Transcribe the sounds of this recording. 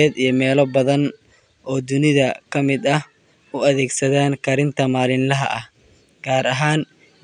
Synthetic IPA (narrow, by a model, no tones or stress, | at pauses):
ɛːd̪ijɞmɛːlɔbɐðɐn | ʔɔːd̪ʊnɪðɐkʰɐmɪd̪ɐh | ʊɐðɛːɡsɐðaːnkʰɐɾɪnt̪ʰɐmaːlɪnlɐɦɐ̰ʔɐh | ɡ̥aːɾɐɦaːn